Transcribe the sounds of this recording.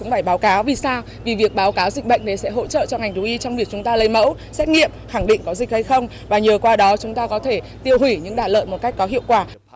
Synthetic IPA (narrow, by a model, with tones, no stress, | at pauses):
ʊ̰˧˥ŋ͡mfaː˧˩jɓaː˨˦wkaː˨˦wvi˨˩saː˧w | vi˨˩vi˨˩ək̚ɓaː˨˦wkaː˨˦wzi˨˩k̟̚ɓə̰˧˨jŋ̟ne˨˦sɛ̰˧˥ɦo̰˧˥t͡ɕə̰ː˧˨t͡ɕɔ˧ŋ͡mŋa˨˩jŋ̟ɗu˨˦ʔi˨˧˦t͡ɕɔ˧wŋ͡mvi˨˩ək̚t͡ɕʊ˨˦ŋ͡mt̪aː˧lə˧jmə̰˧˥w | sɛ˦˥t̚ŋḭ˧˨əmxa˧˩ŋɗḭ˧ŋ̟kɔ˨˦zï˨˩k̚ha˧jxə˧wŋ͡m | vaː˨˩ɲəː˨˩kwaː˧ɗɔ˨˦t͡ɕʊ˨˦ŋ͡mt̪aː˧kɔ˨˦t̪ʰe˧˩ | t̪i˧əwhwi˧˩ɲɨ̰˧˥ŋɗaː˨˩t̚lə̰ː˧˨jmo˨˩t̚ka˦˥k̟̚kɔ˨˦ɦḭ˧˨əwkwaː˧˩